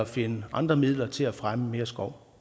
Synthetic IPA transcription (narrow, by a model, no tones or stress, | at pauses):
æfe̝nəʔɑ̈nd̥ʁɐmið̰ˠlɐt͡sʰe̝læfʁaməme̝ːɐsɡ̥ɒʊ̰